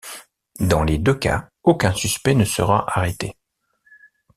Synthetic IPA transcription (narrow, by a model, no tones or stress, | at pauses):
d̪ɑ̃led̪øka̰ | okʲɛ̃syspɛnəsə̰ʁa̰ʔaʁɛt̪e